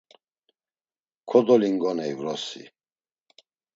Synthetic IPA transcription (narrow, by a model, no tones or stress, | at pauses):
kʰɔd̪ɔliŋɡɔnɛivɾɔsḭ